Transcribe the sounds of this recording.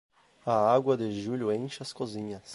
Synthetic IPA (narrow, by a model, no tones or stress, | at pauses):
ɐaɡwɐd̪ɪʒuʎʊẽj̃ʃɐskozĩɲɐs